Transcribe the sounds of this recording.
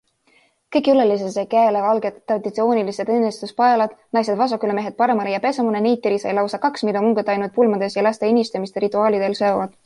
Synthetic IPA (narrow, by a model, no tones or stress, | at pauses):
kɤjkjulelis̬esekæːlevɑlɡ̥ed̪t̪ːrɑd̪it̪sio̞ːnilised̪enːist̪uspɑelɑd̪̥nɑjse̞d̪vɑs̬ɑkyleme̞ɦet̪̚pɑɾe̞mɑlejɑpe̞semunenejt̪ːiɾisɑ̰jlɑwsɑkɑksmid̪ɑmuŋɡ̥ed̪ɑjnut̪̚pulmɑd̪̥e̞sjɑlɑst̪einʲist̪ɑmist̪eɾit̪ˑːuɑːlid̪̥e̞lsø̞ːvɑd̪̥